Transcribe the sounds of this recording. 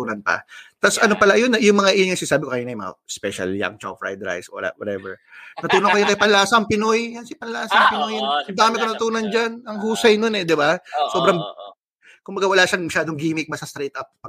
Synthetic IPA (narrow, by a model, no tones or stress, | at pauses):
unɐnpɐ̰t̪asɐnopɐlajonːɐjʊŋmɐŋaʔɪnŋɐŋsɪnasaːbɪkokɐjinɐjmɐ̰ŋa̰spɛʃɐ̰lja̰ŋt͡ʃa̰wfɹa̰jd̪ɾa̰jswɐ̰la̰wɐ̰t̪ɛ̰vɛɹnɐt̪uːnɐkɐjakɐjpɐllaːsɐʔɐŋpɪnojjɐnsɪpɐllaːsɐɐŋpɪnojɐnɐŋd̪aːmɪkonɐt̪uːnɐnd͡ʒanɐŋɦuːsɐjnonɛd̪ɪbasoːbɾɐŋ | kʊmbɐɡawɐlaːʃaŋmɐʃaːd̪oŋɡiːmɪk̚mɐsast̪ɾet̪ʔɐp̚pɐ